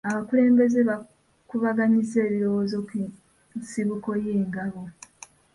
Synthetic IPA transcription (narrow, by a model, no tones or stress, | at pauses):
aβakule̞ːmbe̞ze̞βa | kuβaɡaɲize̞ːβiɾo̞wo̞ːzo | siβuko̞jeːŋɡaβo